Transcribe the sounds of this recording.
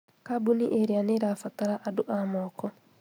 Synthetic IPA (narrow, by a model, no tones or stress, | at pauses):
kabuniʔeɾianeɾafataɾaʔaduʔamɔːkɔ